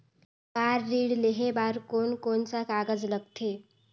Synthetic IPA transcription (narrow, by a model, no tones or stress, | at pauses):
baɾːiɽleɦebaɾkonkonsakaɡəd͡zləɡ̚t̪ʰe